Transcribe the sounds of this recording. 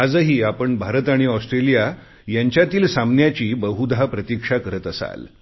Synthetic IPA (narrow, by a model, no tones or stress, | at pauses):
ad͡zəɦiːapəɳbʱaɾət̪aɽ̃iɔsʈɾelija | jaɲt͡ɕjat̪iːlsamnjat͡ɕiːbəɦud̪ʱapɾət̪ikʂakəɾət̪əsa̰l